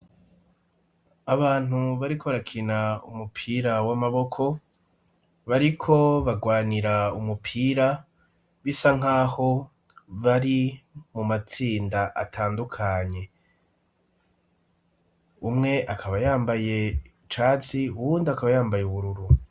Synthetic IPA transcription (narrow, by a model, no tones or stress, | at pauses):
aβaːn̥uβaɾikʰo̞βaɾakʰinaṵmupʰiːɾawamaβo̞kʰo̞ | βaɾikʰo̞βaɡwaːniɾaumupʰiːɾa | βisaŋ̥aːho̞ | βaɾimumat͡siːndaʔatʰaːndukʰaɲe̞ | umŋe̞ʔakʰaβajaːmbaje̞ | t͡ʃaːt͡siuβuːndiakaβajaːmbajeuβuɾuɾu